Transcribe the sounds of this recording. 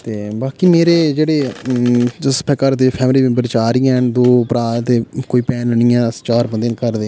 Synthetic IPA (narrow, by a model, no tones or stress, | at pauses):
t̪eːbaːkiːmeːɾeːd͡ʒeːɽeː | sə̥pʰɛːkaɾt̪epʰɛːmlĩːbəɾt͡ʃaːɾɪjɛ̃ːnd̪oːpɾaːt̪eːkoːiːpɛːnnɪjãːst͡ʃaːɾbənd̪ẽnkəɾd̪eː